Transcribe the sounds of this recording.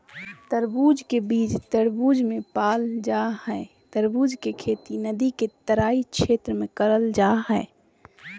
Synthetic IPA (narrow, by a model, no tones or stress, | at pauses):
t̪əɾbuːd͡ʒkebiːd͡ʒt̪əɾbuːd͡ʒmẽpaːld͡ʒaːɦɛː | t̪əɾbuːd͡ʒkekʰeːt̪inəd̪iket̪əɾaːikʃeːt̪ɾəmẽkəɾəld͡ʒaːɦɛː